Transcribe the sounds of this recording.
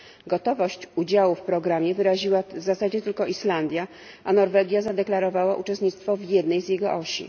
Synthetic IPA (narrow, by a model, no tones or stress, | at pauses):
ɡɔt̪ɔvɔɕt͡ɕud͡ʑawufpɾɔɡɾamʲjɛvɘɾaʑiwavzasad͡ʑɛt̪ɘlkɔʔiʂland̪ʲja | ʔanɔɾvɛɡʲjazad̪ɛklaɾɔvawaʔut͡ʂɛst̪ɲit̪st̪fɔvʲjɛd̪nɛjzjɛɡɔʔɔɕḭ